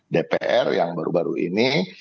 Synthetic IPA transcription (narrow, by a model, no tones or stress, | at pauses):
depeʔɛrjaŋbaɾṵbaɾṵini